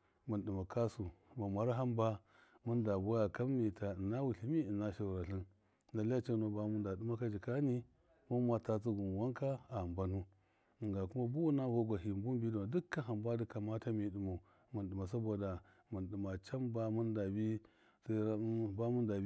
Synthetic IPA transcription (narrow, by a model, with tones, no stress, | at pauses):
mu˨ɗi˨ma˨ka˦su˨ma˨ma˨ɾa˦ɦa˦mba˦ | mu˦nda˨bo˦ja˨ka˦m˦ni˨ta˨na˦wu˨ɬi˨mi˦i˨na˦ʃa˨ɾa˨ɬi˦n | na˨li˦a˦t͡ʃa˦no˨ba˦mu˦nda˨du˦ma˦ka˦d͡ʒi˨ka˦ni˦ | mu˦mʷa˨ta˦t͡si˦ɡu˨n˨wa˦ŋka˦a˨a˨mba˦nu˦˨ | ŋɡa˨ku˦ma˦bu˦wu˦na˦ɡo˦ɡʷa˨ɦi˨bu˦m˦bi˦du˨ma˨du˦kːa˦ɦa˨mba˦du˦ka˨ma˦ta˦mi˨du˨mo˨ | mu˨nɗi˨ma˨s̬a˦bo˨da˨ | mu˨nɗi˨ma˨t͡ʃa˦mba˦mu˦nda˨bi˦ | sa˦a˦ba˦mu˦nda˨˦